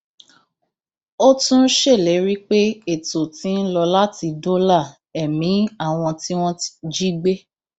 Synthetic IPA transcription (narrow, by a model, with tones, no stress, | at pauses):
o˦tũ˦ʃe˦˨lɛ˨˦ɾi˦k͡pe˦e˦˨to˨tĩ˨˦n̩˦lɔ˧la˦ti˧do˦la˦˨ | ɛ˨mĩ˨˦a˦˨w̃ɔ̃˧ti˦w̃ɔ̃˦d͡ʒi˦ɡ͡be˦